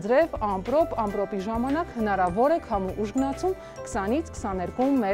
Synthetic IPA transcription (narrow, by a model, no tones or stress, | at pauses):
d͡zɾɛvɑmpɾɔpɑmpɾɔpiʒɑmɑnɑkhənɑɾɑvɔɾɛkʰɑmuʔuʒɡənɑt͡sʰum | kə̥sɑnit͡sʰkʰə̥sɑnɛɾkumɛ